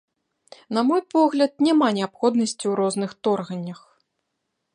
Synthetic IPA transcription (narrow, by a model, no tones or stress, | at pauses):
nɐmɔjpɔɣlʲɐt̪̚nʲamanʲɛapxɔd̪nɐsʲt͡sʲiwɾɔznɨxt̪ɔrɣɐnʲːɐx